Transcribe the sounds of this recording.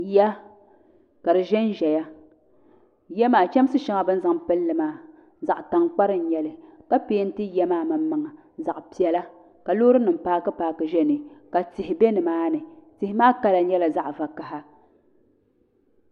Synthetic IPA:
ja˦ | ka˨dɨ˨ʒɛ˦n˦ʒɛ˨ja˦ | jɛ˦maː˨t͡ʃɛ˦m˦sɨ˦ʃɛ˦ŋa˨bɨ˦n˦za˨ŋpɨ˦lːɨ˨maː˦ | za˨ʔta˨ŋk͡pa˦ɾɨ˦˨n̩˨˦ɲɛ˨lɨ˨ka˦peː˦n̩˦tɨ˦jɛ˦maː˦ma˨mː˦a˨ŋa˨ | za˨ʔpi˨ɛ˨la˦ | ka˨loː˦ɾɨ˦nɨ˨m̩˦paː˦kɨ˦paː˦kɨ˨ʒɛ˦nɨ˨ka˨tɪ˨hɪ˨bɛ˦nɨ˨maː˦nɨ˨tɪ˨hɪ˦maː˦ka˦la˨˦ɲɛ˦la˨za˦ʔva˨ka˨ɦa˦

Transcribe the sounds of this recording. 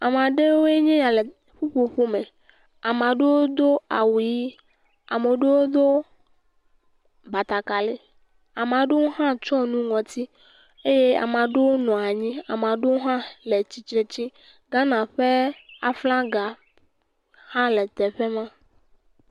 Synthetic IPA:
a˨mã˨ɖe˦wo˦e˦ɲɛ̃˦ja˨le˨ | ɸu˦ɸo˨ɸo˦me˨ | a˨m˨ã˨ɖe˦wo˦d̪o˦a̰˨wu˨ji˦ | a˨me˨ɖe˦wo˦d̪o˦ | ba˨t̪a˨ka˨le˦ | a˨m˨ã˨ɖe˦wo˦ɦã˦t͡ʃɔ˦nũ˦ŋɔ̃˨t̪i˦ | e˦je˦a̰˨mã˨ɖe˦wo˦nɔ̃˨a˨ɲĩ˦a̰˨mã˨ɖe˦wo˦ɦã˦le˨t͡ɕi˨t͡ʃɾe˨t͡ɕi˦ | ɡa˦nã˨ɸe˦a̰˨flã˦ɡa˨ | hã˦le˨t̪ɛ˨ɸe˦mã˦

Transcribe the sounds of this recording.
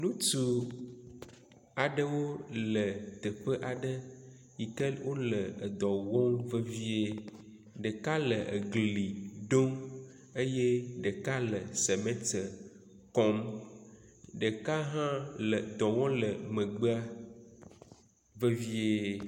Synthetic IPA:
nũ˦tu˨ | a˨ɖə˦wo˦lə˨t̪ə˨ɸə˦ʔa˨ɖə˦ | ji˨ke˦lwo˦lə˨ə˨d̪ɔ˨wɔ̃˦ŋvə˦vi˦e˦ | ɖə˨ka˦lə˨ʔe˨ɡli˨ɖo˦m | e˦je˦ɖə˨ka˦lə˨se˨mẽ˦tə˨ | kɔ˦m | ɖə˨ka˦ɦã˦lə˨d̪ɔ̃˨wɔ̃˦lə˨mə̃˨ɡ͡bə˦a˦ | və˦vi˦e˦

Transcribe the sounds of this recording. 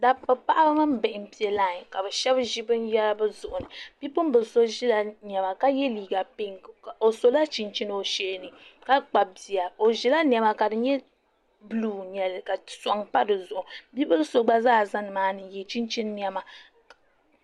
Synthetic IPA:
da˨pːɨ˨pa˦ʔa˦bɨ˦ma˦m˦bɛ˨ʔɪ˨m̩˨pi˨ɛ˨laː˦˨ɲ˨ka˨bɛ˨ʃɛ˦bʒi˦bɨ˦n˦jɛ˦lbɨ˦zʊ˨ʔʊ˨nɨ˨b̥i˦pʊ˦m˦bɨ˨˦so˦ʒi˦la˨n˨ɛ˨ma˨ka˦jɛ˦liː˨ɡa˨pi˦ŋ˨o˨so˦la˦t͡ʃi˨nt͡ʃi˦nɨ˦o˨ʃeː˦nɨ˨ka˦k͡pa˨bi˨a˨o˨ʒi˦la˦n˦˨ɛ˨ma˨ka˨dɨ˨ɲɛ˦ | bɨ˦luː˦˨ɲɛ˨lka˨sa˨ŋpa˦dɨ˨zʊ˨ʔʊ˨bi˦bɨ˦lso˦ɡ͡ba˦zaː˦˨za˦nɨ˨maː˦nɨ˨jɛ˨t͡ʃi˦nt͡ʃi˦nː˦ɛ˦ma˨

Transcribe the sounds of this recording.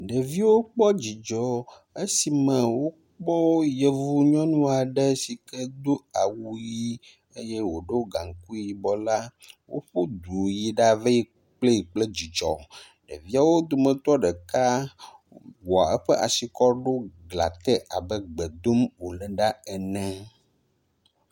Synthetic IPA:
ɖə˨vi˦wo˦k͡pɔ˦d͡ʑi˨d͡ʒɔ˨ | e˦si˨mə̃˨wo˦ | k͡pɔ˦wo˦je˨vu˦ɲɔ̃˦nũ˦a˨ɖɛ˦si˨kɛ˦d̪o˦a˨wu˦ji˦ | e˦je˦wo˨ɖe˦wo˦ɡa˨ŋ˨ku˦ji˨bɔ˨la˦wo̰˦ɸo˦d̪u˨ji˨ɖa˦ve˦ji˦ | k͡ple˦i˨k͡plɛ˦d͡ʑi˨t͡ʃɔ˨ | ɖɛ̰˨vi˦a˦wo˦d̪o˨mə̃˨t̪ɔ˦ɖɛ˨ka˦ | wɔ˨a̰˨ɛ˦ɸɛ˦ʔa˨si˨kɔ˦ɖo˦ɡla̰˨t̪ɛ˦ʔa˨bɛ˦ɡ͡bɛ˨d̪o˦mwo˨lɛ̃˨ɖa˦ɛ˨nɛ̃˦

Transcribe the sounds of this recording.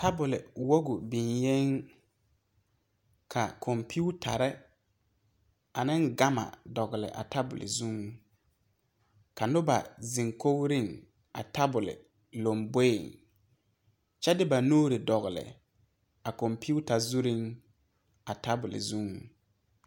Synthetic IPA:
ta˦bʊ˨lɪ˨wo˦ɡʊ˨bi˨nje˦ŋ | kʰa˨kʰɔ˨mpʰi˦u˦tʰa̰˨ɾɛ˦ | a˨nɪ˦ŋɡa˦ma̰˨dɔ˨ɣɪ˨lɪ̰˨ʔa̰˨ta˦bʊ̰˨lɪ̰˨zu˦ŋ˨ | ka˨nʊ˦ba̰˨zɪ˨ŋko˦wɾi˦˨ŋ | a˨ta˦bʊ˨lɪ̰˨ | lo˨mbe˦˨ŋ | t͡ʃɛ˦dɪ˦ba˨nuː˦ɾɪ˨dɔ˨ɣɪ˨lɪ̰˨ | a˨kɔ˨mpi˦u˦ta˨zu˦ɾi˦ŋ | a˨ta˦bʊ˨lɪ̰˨zu˦ŋ˨

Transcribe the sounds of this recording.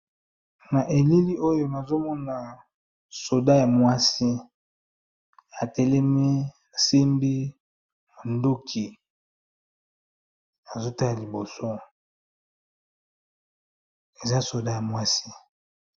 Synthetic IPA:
na˨ʔe˨li˦li˦ʔo˦jo˦na˨zo˦mɔ˦na˨ | so˨da˦ja˨mwa˦si˦ | a˨tɛ˨lɛ˦mi˦ | a˨si˦mbi˦ | ma˨ndo˦kʰi˨ | a˨zo˦ta˦la˨li˨bo˨so˦ | e˨za˦so˨da˦ja˨mwa˦si˦

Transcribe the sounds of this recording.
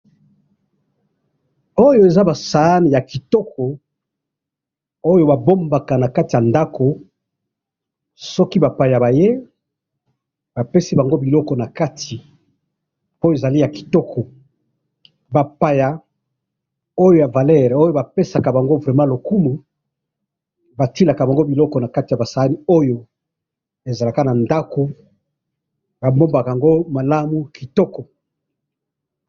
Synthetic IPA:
o˦jo˨e˨za˦ba˨sa˨˦ni˨ja˨ki˨tɔ˦ko˨ | o˦jo˦ba˨bo˦mba˨ka˨na˨ka˦ti˨ja˨nda˦ko˨ | sɔ˦ki˦ba˨pa˨ja˨ba˨je˦ | ba˨pe˦si˦ba˨ŋɡo˦bi˨lɔ˦kɔ˨na˨ka˦tʰi˨ | po˦e˨za˨li˦ja˨ki̥˨tɔ˦kʰɔ˨ | ba˨pa˨ja˨ | o˦jo˦ja˨va˨lɛ˦˨ʁo˦jo˦ba˨pe˦sa˨ka˨ba˨ŋɡo˦vʁɛ˨mã˦lo˨ku˦mu˨ | ba˨ti˦la˨ka˨ba˨ŋɡo˦bi˨lɔ˦kɔ˨na˨ka˦ti˨ja˨ba˨sa˨a˦ni˦o˦jo˨ | e˨za˨la˨ka˦na˨nda˦ko˦ | ba˨mbo˦mba˨ka˨ja˨ŋɡo˦ma˨la˦mu˦ki˨tɔ˦kɔ˨

